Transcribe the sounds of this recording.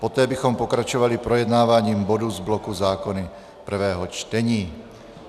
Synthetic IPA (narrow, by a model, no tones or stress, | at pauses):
pɔt̪ɛːbixɔmpɔkɾat͡ʃɔʋalipɾɔjɛd̪naːʋaɲiːmbɔd̪uzblɔkuzaːkɔni | pr̩ʋɛːɦɔt͡ʃt̪ɛɲiː